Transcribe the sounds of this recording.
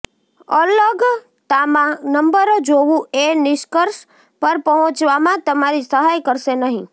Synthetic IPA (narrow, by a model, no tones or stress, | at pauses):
ələɡ | t̪amãnəmbəɾod͡ʒoʋũenɪʃkəɾʃ | pəɾpəɦɔ̃t͡ʃʋamãt̪əmaɾisəɦajkəɾʃenəɦĩ